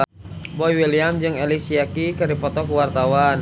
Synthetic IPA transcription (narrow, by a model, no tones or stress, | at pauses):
bɔjwiliamd͡ʒɨŋɛlisiakikəɾipɔt̪ɔkuwart̪awan